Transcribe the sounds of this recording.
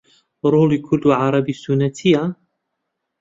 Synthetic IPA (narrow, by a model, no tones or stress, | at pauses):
ɾˤuːlikʰʊlːʕɑɾˤɑbisʊnat̪ʰɪja